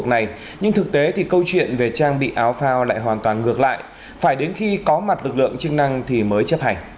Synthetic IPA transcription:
ək̚na˨˩j | ɲɨ˧ŋt̪ʰɨ˨˩k̚t̪e˨˦t̪ʰi˨˩kə˧wt͡ɕwḭ˧˨ənve˨˩t͡ɕaː˧ŋɓḭ˧˨ʔaː˨˦wfaː˧wla̰ː˧˨jɦwaː˨˩nt̪waː˨˩nɣɨ˨˩ək̚la̰ː˧˨j | faː˧˩jɗe˨˦nxi˧kɔ˨˦ma˨˩t̚lɨ˨˩k̚lɨ̰˧˨əŋt͡ɕɨ˧ŋna˧ŋt̪ʰi˨˩məː˨˦jt͡ɕə˦˥p̚ha˧˩jŋ̟

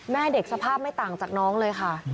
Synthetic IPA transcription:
mɛː˥˩de˨˩k̚sa˧pʰaː˥˩p̚ma˥˩jt̪aː˨˩ŋt͡ɕaː˨˩k̚nɔː˦˥ŋlɤː˧jxʰa˥˩

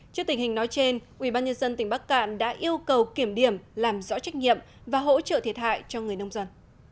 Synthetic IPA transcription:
t͡ɕi˦˥ət̪ï˧˩ŋ̟hï˨˩ŋ̟nɔ˨˦jt͡ɕe˧nʔwi˧˩ɓaː˧nɲə˧nzə˧nt̪ï˩ŋ̟ɓa˦˥kka̰ː˧˨nɗa̰ː˧˥ʔi˧əwkə˨˩wki˨˧˩əmɗi˧˩əmlaː˨˩mzɔ̰˧˥t͡ɕa˦˥jk̟̚ɲḭ˧˨əm | vaː˨˩ɦo̰˧˥t͡ɕə̰˧˨t̪ʰi˧˩ət̚ha̰ː˧˨jt͡ɕɔ˧ŋɨ˨˩əjnə˧wŋ͡mzə˧n

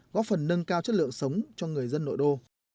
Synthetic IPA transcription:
ɣɔ̰˧˥fə˨˩nːə˧ŋkaː˧wt͡ɕə˦˥t̚lɨ̰˧˨əŋsə˨˦wŋ͡mt͡ɕɔ˧ŋɨ˨˩əjzə˧nːo̰˧˨jɗo˧

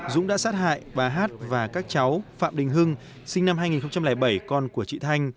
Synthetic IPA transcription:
zʊ̰˧˥ŋ͡mɗa̰ː˧˥saː˦˥t̚ha̰ː˧˨jɓaː˨˩ɦaː˦˥t̚vaː˨˩kaː˦˥k̚t͡ɕa˨˦wfa̰ː˧˨mɗï˨˩ŋ̟ɦɨ˧ŋ | sï˧ŋna˧mɦaː˧jŋi˨˩nxə˧ŋ͡mt͡ɕa˧mlɛː˧˩jɓə˧˩jkɔ˧nku˧˩ət͡ɕḭ˧˨t̪ʰa˧jŋ̟

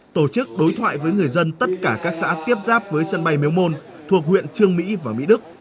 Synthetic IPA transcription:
t̪o˧˩t͡ɕɨ˦˥k̚ɗo˨˦jt̪ʰwa̰ː˧˨jvəː˨˦jŋɨ˨˩əjzə˧nt̪ə˦˥t̚kaː˧˩kaː˦˥k̚sa̰ː˧˥t̪i˦˥əp̚zaː˦˥p̚vəː˨˦jsə˧nɓa˧jmi˨˦wmo˧n | t̪ʰu˨˩ək̚hwḭ˧˨ənt͡ɕɨ˧əŋmḭ˧˥vaː˨˩mḭ˧˥ɗɨ˦˥k̚

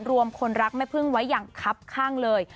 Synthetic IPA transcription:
ɾu˧əmkʰo˧nɾa˦˥k̚ma˥˩jpʰɯ˥˩ŋwa˦˥jːaː˨˩ŋkʰa˦˥p̚kʰaː˥˩ŋlɤː˧j

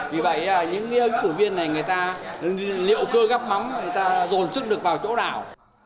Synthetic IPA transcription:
vi˨˩və̰˧˨jaː˨˩ɲɨ̰˧˥ŋkaː˨˦ə˨˦ŋfu˧˩vi˧ənːa˨˩jŋɨ˨˩əjt̪aː˧ | lḭ˧˨əwkəː˧ɣa˦˥p̚ma˨˦mŋɨ˨˩jt̪aː˧zo˨˩nsɨ˦˥k̚ɗɨ˨˩ək̚vaː˨˩wt͡ɕo̰˧˥ɗaː˧˩w

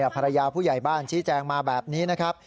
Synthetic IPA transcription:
pʰa˧ɾa˧jaː˧pʰuː˥˩ja˨˩jbaː˥˩nt͡ɕʰiː˦˥t͡ɕɛː˧ŋmaː˧bɛː˨˩p̚niː˦˥na˦˥kʰɾa˦˥p̚

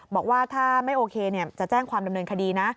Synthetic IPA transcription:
bɔː˨˩k̚waː˥˩t̪ʰaː˥˩ma˥˩jʔoː˧kʰeː˧ni˥˩ɐt͡ɕa˨˩t͡ɕɛː˥˩ŋkʰwaː˧mda˧mnɤː˧nkʰa˧diː˧na˦˥

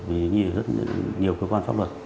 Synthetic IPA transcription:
vi˨˩˨ɲi˧˨zə˦˥t̚ɲi˨˩əwkəː˧kwaː˧nfa̰˦˥lə˨˩t̚

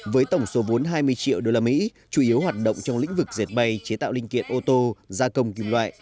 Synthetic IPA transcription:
vəː˨˦jt̪ə˧˩wŋ͡mso˨˦vo˨˦nɦaː˧jmɨ˧əjt͡ɕḭ˧˨əwɗo˧laː˧mḭ˧˥ | t͡ɕu˧˩ʔi˨˦əwɦwaː˨˩t̚ɗo̰˧˨wŋ͡mt͡ɕɔ˧wŋ͡mlḭ̈˧˥ŋ̟vɨ˨˩k̚ze˨˩t̚ɓa˧jt͡ɕe˨˦t̪a̰ː˧˨wli˧ŋ̟kḭ˧˨ənʔo˧t̪o˧zaː˧kə˧wŋ͡mki˧mlwa̰ː˧˨ʔ

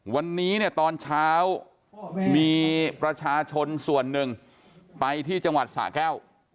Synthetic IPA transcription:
wa˧nːiː˦˥ni˥˩ət̪ɔː˧nt͡ɕʰaː˦˥w | miː˧pɾa˧t͡ɕʰaː˧t͡ɕʰo˧nsu˨˩ənːɯ˨˩ŋ | pa˧jt̪ʰiː˥˩t͡ɕa˧ŋwa˨˩t̪̚sa̰ː˩˦kɛː˥˩w

